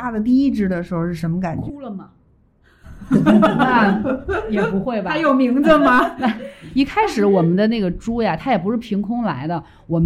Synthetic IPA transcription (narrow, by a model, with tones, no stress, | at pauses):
a˥˩d̪ə˨t̪̬i˥˧i˥˩ʈ͡ʂɻ̩˥˩d̪ə˩ʂɻ̩˧˥xo˧ʂɻ̩˥˩ʂ̬ə˧˥nmə˧ka˨˩nt͡ɕu˥lə˨mɐ˩˧ | a˥˧jɛ˨˩pu˧˥xwe˥˩ɪbɐ˩a˥jo˨˩ʊmi˧˥ŋd͡zə˧mɐ˨na˥˩i˥˩kʰa˥ɪʂɻ̩˨˧˥wɔ˨˩mə˦nd̪ə˧na˥˩ɡə˩ʈ͡ʂu˥ja˨t̪ʰa˥jɛ˨˩p̬u˧˥ʂɻ̩˥˩pʰi˧˥ŋkʰʊ˥ŋla̰˧˥ɪd̪ə˧ | wɔ˨˩m˦